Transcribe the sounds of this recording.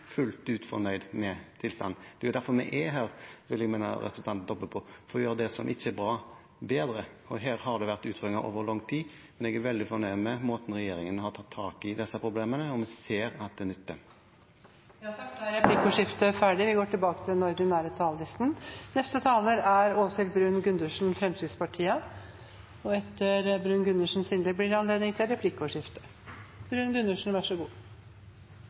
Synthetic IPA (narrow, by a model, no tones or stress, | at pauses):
fʉlt̪ʉːt̪fɔ̰nœʏd̪mɛt̪ʰɪlst̪ɑ̰nd̪d̪̥ɛjʊd̪æɾfɔɾmɛʔɛɦæːʁʋɪlːɛɡmɛːnɑ̰ɾɛ̰pʰɾəsn̩ɑnt̪n̩d̪ɔbːəpʰɔfɔɾɔjøːɾəd̪ɛsɔmʔɪçːəɛbɾɑː | beːd̪ɾə | ɔɦæːɾhɑd̪ɛʋæɾʁt̪ʉːt̪føɾɪŋɑʔo̰ːʋəɾlɔŋːt̪ʰiː | mɛnɛɡæɾʋɛld̪ɪfɔnœʏd̪mɛmoːt̪n̩ɾɛjeːɾɪŋənɔhɑɾt̪ʰɑt̪ʰːɑːkɪd̪ɛsːɑpʰɾʊbleːmənəɔmɛseːɾɑt̪̚d̪ɛːnʏt̪ːə | ʋɪɑt̪ɑk̚t̪æɾɛpʰlɪkːəɔʂɪft̪əfæːɖɪʋɪɡoːʈʰɪlbɑːkət̪ʰɪlnɔɾd̪ɪnæːɾət̪ʰɑːld̪ɪsnnɛst̪ət̪ʰɑːləɾæɾoːsɪlbɾʉːnɡʉnd̪ʉʂn̩fɾɛmsyːd̪spɑʈʰiːə | ɔɛt̪ːəɾbɾʉnɡʉnəʂn̩sɪnd̪ək̚blɪɾɑnleːd̪nɪŋt̪ʰɪlɾɛpʰlɪkːɔʂɪft̪ə̥ | b̥ɾʉːnɡʉnd̪ʉʂn̩ʋæʂɔɡuː